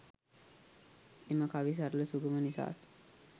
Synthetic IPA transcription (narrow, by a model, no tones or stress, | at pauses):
eməkaʋis̬aɾləsuɡəmənisa̰ːt̪